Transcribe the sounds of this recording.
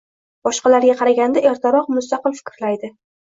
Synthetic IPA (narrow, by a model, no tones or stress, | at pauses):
b̥ɒʃqɑlaɾɡʲaqʰɑɾaɡʲand̪aʔeɾt̪ʰaɾɒqmʊst̪ɑqɨlfɪ̥kʲɾlajd̪ɪ